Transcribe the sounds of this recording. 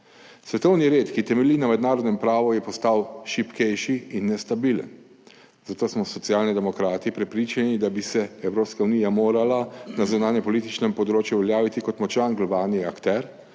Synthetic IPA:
sʋɛt̪ɔwniɾeːt̪kit̪ɛmɛlinamɛd̪naːɾɔd̪nɛmpɾaːʋujɛpɔst̪awʃipkɛjʃiːnːɛst̪abiːlə̰n | zat̪oːsmɔsɔt̪sijaːlnid̪ɛmɔkɾaːt̪ipɾɛpɾiːt͡ʃanid̪abisɛɛwɾoːpskaunijamoːɾalanazunaːnjɛmpɔlit̪it͡ʃnɛmpɔd̪ɾoːt͡ʃjuʋɛljaːʋit̪ikɔt̪mɔt͡ʃanɡlɔbaːniakt̪ɛɾ

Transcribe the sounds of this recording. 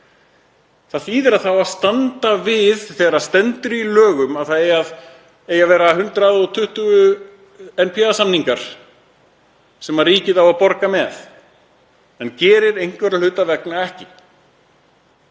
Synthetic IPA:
θaðfiːðɛɾaðθawaðst̪ant̪avɪðθɛːɣɾaðst̪ɛnt̪ʏɾilœːɣʏmaðθaðejað | eːjavɛːɾaɦʏnt̪ɾaðɔɣt̪ʰʏht̪ʏɣʏ | ɛnpʰjaðsamniŋkaɾ̥ | sɛmariːcɪðawapɔɾkamɛθ | ɛncɛːɾɪɾejŋ̥kvɛɾalʏt̪avɛknaɛhcɪ

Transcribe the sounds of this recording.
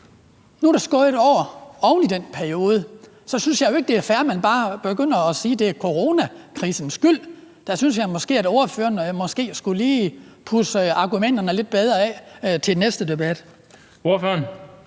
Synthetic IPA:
nud̥ɑsɡ̥ɔ̰e̝d̥ɒ̰ʊ̰ɐɒ̽ʊnid̥en̰pʰæɐio̝ːð̞ˠə | sɒ̽synsjɑ̈jo̝e̝ɡ̥̚d̥e̝æɐfæɐmænb̥ɑ̈ːb̥e̝ɡ̥øn̰ɐɒ̽siːd̥e̝æɐkʰo̝ʁo̝ːnækʰʁiːsn̩sɡ̥yl̰ | d̥æsynsjɑ̈ɪmɒ̽sɡ̥e̝̰ːædo̝ɐføːɐnmɒ̽sɡ̥e̝̰ːsɡ̥uliː | pʰusɑ̈ɡ̥umen̰d̥ɐnəle̝d̥̚b̥eð̞ˠʁɐɛt͡sʰe̝lnesd̥əd̥e̝b̥æd̥ | o̝ɐføɐn

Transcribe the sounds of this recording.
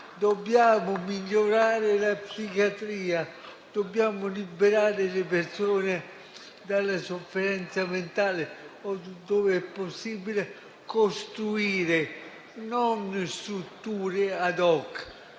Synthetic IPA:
d̪obːjaːmʊmiʎːoɾaːɾɪlapsikjat̪ɾiːa | d̪̥obːjaːmʊlibeɾaːɾɪlɪp̬eɾsoːne | d̪alːasofːeɾɛnt̪sament̪aːlɪɔd̪ɔːveɛpːosːiːbile | kost̪ɾuiːɾɪ | nɔnst̪ɾut̪ːuːɾɪad̪ɔkː

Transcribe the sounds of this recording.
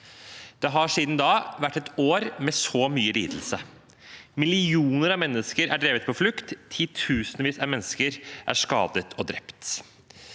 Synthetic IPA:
d̪̥ɛɦɑʂiːd̪n̩d̪ɑːʋæʈːɛt̪oːɾmɛsoːmyːəlḭːd̪l̩sə | mɪlɪuːnəɾɑʋmɛnːəskəɾæ̰ɖɾeːʋət̪pʰɔflʉkt̪ʰːiːt̪ʰʉːsənəʋiːsɑmɛnːəskəɾʔæ̰ʂkɑ̰ːd̪ət̪ʰɔd̪ɾɛpt̪

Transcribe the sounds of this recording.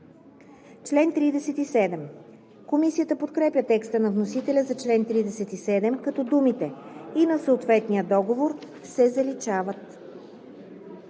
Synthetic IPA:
t͡ʃlɛnt̪ɾid̪ɛsɛt̪isɛd̪ɛm | komisijət̪əpot̪kɾɛpjʲət̪ɛkst̪ənɐvnos̬it̪ɛlʲəzɐt͡ʃlɛnt̪ɾid̪ɛsɛt̪isɛd̪ɛmkɐt̪ɔd̪umit̪ɛinɐsəot̪vɛt̪nijəd̪ɔɡovoɾ | sɛzɐlit͡ʃavət̪

